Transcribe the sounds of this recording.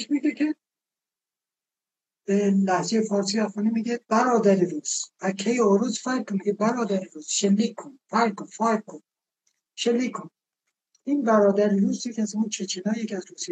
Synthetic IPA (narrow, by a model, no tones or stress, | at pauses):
eʃmiɡekʰe | b̥elæhzejefɒːɾsiːæfɒːnimiːɡeb̥æɾɒːd̪æɾiɾuːz̥ækʰːejeoɾuzfæɾɡ̚konmɡebæɾɒːd̪æɾiɾuːz̥ʃelːiːkʰːonfæɾkonfæɾkkʰːon | ʃelːiːkʰːon | iːnbæɾɒːd̪æɾiɾuːzjecʰʲæzmut͡ʃʰet͡ʃʰinɒːjecʰʲiæzɾusi